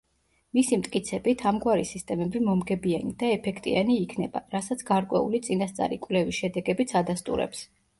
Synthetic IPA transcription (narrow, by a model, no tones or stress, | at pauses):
misimt̪ʼkʼit̪sʰɛbit̪ʰamɡwaɾisist̪ʼɛmɛbimɔmɡɛbianid̪aɛpʰɛkʰt̪ʼḭaniːkʰnɛba̰ɾasat̪sʰɡ̥aɾkʼwɛ̰ṵlit̪sʼinast̪sʼa̰ɾikʼwlɛviʃɛd̪ɛɡɛbit̪sʰad̪ast̪ʼṵɾɛ̰ps